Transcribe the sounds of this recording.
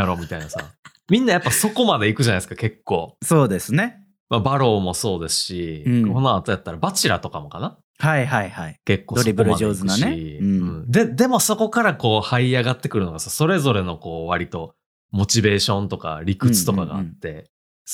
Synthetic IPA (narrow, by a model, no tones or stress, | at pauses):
aɾo̞ːmʲit̪ainasa̰ | mʲĩnːajapːaso̞ko̞mad̪e̞ikɯ̟ʑanaisɨ̥kake̞kːo̞ːsoːd̪e̞sɨne̞ | mabaɾo̞ːmo̞so̞ːd̪e̞sɨ̥ɕiko̞noat̪o̞jat̪ːaɾabat͡ɕiɾa̰t̪o̞kamo̞kana | haiɦaihaike̞kːod̪oɾʲibɯɾɯaoːzɨnaneĩɯ̃ɴd̪e̞d̪e̞mo̞so̞ko̞kaɾako̞ːhaiaɡat̪ːe̞kɯ̟ɾɯno̞ɡasaso̞ɾe̞zo̞ɾe̞no̞ko̞ːβaɾʲit̪o̞ | mo̞t͡ɕibe̞ːɕõ̞nt̪o̞ka̰ɾʲikɯ̟t͡sɨ̥t̪o̞kaɡa̰a̰t̪ːe̞